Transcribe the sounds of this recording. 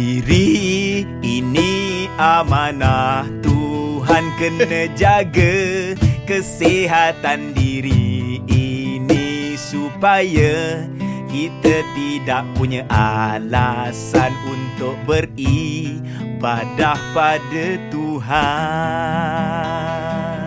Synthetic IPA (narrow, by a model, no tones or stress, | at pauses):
iɾi | iniamanaht̪uɦankənnəd͡ʒaɡə | kəseɦat̪andiɾiinisupaja | kit̪ət̪idaʔ̚puɲaʔalasanunt̪ʊk̚bəri | badahpadat̪uɦa